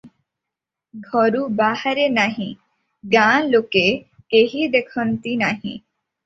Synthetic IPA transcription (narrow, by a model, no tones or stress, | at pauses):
ɡʱɔɾubahaɾenaɦĩ | ɡãloke | keɦid̪ekʰɔnt̪inaɦḭ̃